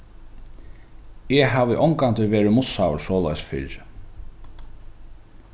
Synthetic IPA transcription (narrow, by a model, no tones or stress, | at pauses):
ɛɦaːvɪʔɔŋkant̪ɪʋɛːɾɪmʊsːawɾsɔːla̰jsfɪ̰ɾ